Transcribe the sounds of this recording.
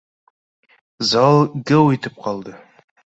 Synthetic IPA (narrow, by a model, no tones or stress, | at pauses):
zɑlˠɡɘwit̪ɘp̚qʰɒlˠd̪ɤ